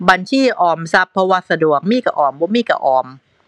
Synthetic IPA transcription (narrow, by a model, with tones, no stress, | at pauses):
ba˧nt͡ɕʰiː˥˩ʔɔː˧˩msa˦˥pʰːɔ˧waː˧sa˧du˨˩ək̚miː˥˩ka˧ʔɔː˨˩mbɔ˧˦miː˥˩ka̰˧˩ʔɔː˧˩m